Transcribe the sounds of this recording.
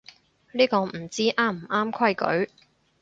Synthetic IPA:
liː˥kɔː˧m̩˨˩t͡siː˥ʔaː˥˩m̩˨˩ʔaː˥mkʰɐ˥jkɵ̰˨˥ɥ

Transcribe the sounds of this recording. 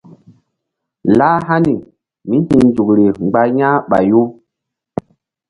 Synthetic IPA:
laː˦ɦa˦ni˨ | mi˦hĩ˧d͡ʒu˨kɾi˨ŋ͡mɡ͡ba˧ɲã˦ɓa̰˨jo˦

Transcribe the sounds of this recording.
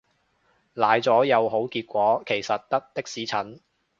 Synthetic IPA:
laː˨˩jt͡sɔː˨˥jɐ˨˧wɦo˨˥wkiː˧t̚kʷɔː˨˥kʰe˨˩jsɐ˨t̚t̪ɐ˥k̚t̪ɪ˥k̚siː˨˥t͡sʰɐ˨˥n

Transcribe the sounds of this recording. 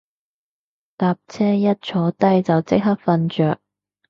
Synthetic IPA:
t̪aː˨p̚t͡sʰɛː˥jɐ˥t̚t͡ʃʰɔː˨˥t̪ɐ˥jt͡sɐ˨wt͡sɪ˥k̚ɦɐ˥k̚fɐ˧nt͡ʃœː˨k̚

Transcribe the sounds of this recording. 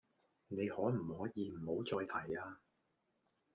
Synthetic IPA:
ne˨˧jhɔː˨˥m̩˨˩hɔː˨˥jiː˧m̩˨˩ho˨˥wt͡sɔː˧jt̪ʰɐ˨˩jaː˧

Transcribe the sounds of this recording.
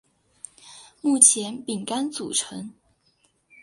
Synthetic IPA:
mu˥˩t͡ɕʰjɛ˧˥npi˨˩ŋka˥nt͡sṵ˨˩ʈ͡ʂʰɤ˧˥ŋ

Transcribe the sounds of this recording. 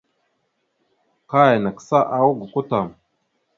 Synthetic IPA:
ka˦ja˨na˨ksa˦ʔa˦wu˦ɡu˨ku˦ta˨m

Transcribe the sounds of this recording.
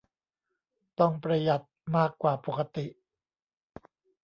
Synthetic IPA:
t̪ɔ˥˩ŋpɾa˧ja˨˩t̪̚maː˥˩kːwaː˨˩po˨˩kʰa˧t̪i˨˩ʔ

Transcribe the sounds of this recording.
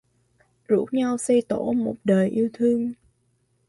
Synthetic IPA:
zṵ˧˥ɲa˧wsɛ˧jt̪o˧˥mo˨˩t̚ɗəː˨˩jʔi˧əwt̪ʰɨ˧əŋ

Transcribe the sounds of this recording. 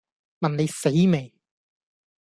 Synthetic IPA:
mɐ˨nne˨˧jse˨˥jme˨˩j

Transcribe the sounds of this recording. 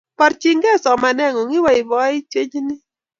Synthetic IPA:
pa˨ɾt͡ʃi˦ŋɡɛ˦˨sɔ˨ma˨nɛ˦˨ŋo˨ŋi˦wa˨ɪ˨bɔ˨˦i˦t͡ʃe˦ɲd͡ʒnɪ˦

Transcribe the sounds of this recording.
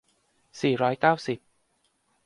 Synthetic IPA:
siː˨˩ɾɔː˦˥jkaː˥˩wsi˨˩p̚

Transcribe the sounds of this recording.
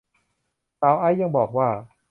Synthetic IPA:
saː˨˧˥wʔa˧˥˩jːa˥˩ŋbɔː˨˩k̚waː˥˩

